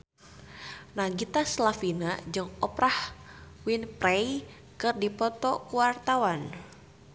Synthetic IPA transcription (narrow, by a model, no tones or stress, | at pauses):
naɡit̪aslafinad͡ʒɨŋɔpɾahwinprɛj | kɨrdipɔt̪ɔkuwart̪awan